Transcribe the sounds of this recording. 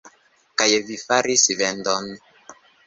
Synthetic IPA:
kajɛvifaɾisivɛndɔn

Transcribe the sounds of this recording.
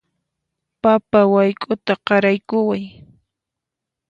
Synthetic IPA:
papawajkʼʊt̪aqɑɾajkʊwaj

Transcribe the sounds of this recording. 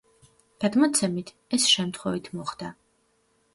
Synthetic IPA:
d̪̥ad̪mɔt̪sʰɛmit̪ʰ | ɛsʃɛmt̪ʰχwɛvit̪ʰmɔχd̪̥a

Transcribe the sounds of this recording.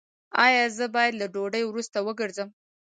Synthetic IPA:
ɑjɑzəbɑjad̪laɖoɖəjwɾust̪awəɡəɾzəm

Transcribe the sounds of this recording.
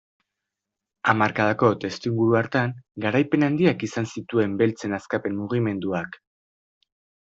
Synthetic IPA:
amaɾkaðako̞t̪e̞st̪iŋɡuɾuaɾt̪aŋɡaɾajpe̞nand̪iakisansit̪ue̞mbe̞lt͡se̞naskape̞mmuɣime̞nd̪uak

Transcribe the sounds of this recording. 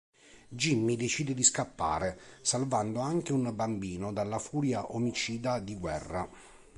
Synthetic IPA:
d͡ʒimːid̪et͡ʃiːd̪ed̪iskapːa̰ːɾesalvand̪oaŋk̟eunbambiːnod̪alːafuːɾjaʔomit͡ʃiːd̪ad̪iɡwɛ̰rːa̰

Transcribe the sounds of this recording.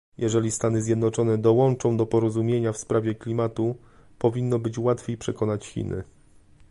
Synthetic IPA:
jʔɛʐɛlʲist̪anɘzʲjɛd̪nɔt͡ʂɔnɛd̪ɔwɔnt͡ʂɔ̃w̃d̪ɔpɔɾɔzumʲjeɲafspɾavʲjɛklʲimat̪u | pɔvʲinːɔbɘt͡ɕwat̪fʲjejpʂɛkɔnat͡ɕxʲḭnɘ̰

